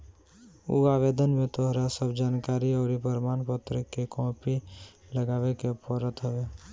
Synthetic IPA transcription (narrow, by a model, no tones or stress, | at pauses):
ṵaːʋeːd̪ənmẽt̪oɦɾasəbd͡ʒaːnkaːɾiɔːɾipəɾmaːnpət̪ɾəkekɔ̃ːpiləɡaːʋekepɔɾət̪ɦəʋeː